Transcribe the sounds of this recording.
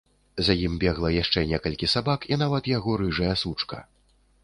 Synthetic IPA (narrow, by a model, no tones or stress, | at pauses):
zajimbʲɛɣlˠɐjaʂt͡ʂɛnʲɛkɐlʲkʲisabakin̪avɐt̪jaɣɔɾɨʐɐjɐsut͡ʂkɐ̰